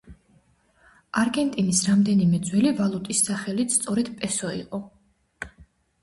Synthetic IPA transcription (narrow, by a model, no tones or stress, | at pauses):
aɾɡɛnt̪ʼinisɾamd̪ɛnimɛd̪zwɛlivalˠut̪ʼisːaχɛlit̪st̪sʼɔɾɛd̪pʼɛsɔḭqʼɔ